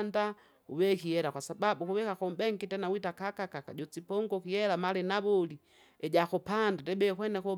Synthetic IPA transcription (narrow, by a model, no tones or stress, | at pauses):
nda | uβɛkijɛlakwasababukuβɛkakɔmbɛŋkitɛnawitakakakakaɟɔt͡sipɔŋɡɔkiɛlamalɛnaβɔli | ɛɟakupandatɛbɛkwɛnɛkɔ